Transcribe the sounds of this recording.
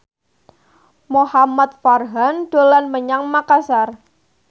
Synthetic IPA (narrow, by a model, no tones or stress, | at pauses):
mohamat̪̚farɦanɖ̥o̤lanməɲaŋmakasar